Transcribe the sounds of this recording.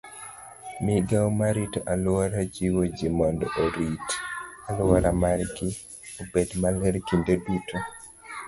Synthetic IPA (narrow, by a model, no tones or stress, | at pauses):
miɡaɔmaɾitoʔalʊaɾad͡ʒiwod͡ʒimɔndɔʔoɾitalʊaɾamaɾɡɪ | obedmalɛɾkindebito